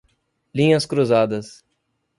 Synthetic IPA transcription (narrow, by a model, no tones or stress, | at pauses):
lĩɲɐskɾuzad̪ɐs